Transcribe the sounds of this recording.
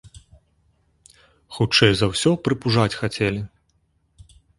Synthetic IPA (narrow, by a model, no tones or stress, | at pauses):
xut͡ʂɛjzɐwsʲɔpɾɨpuʐat͡sʲxat͡sʲɛlʲi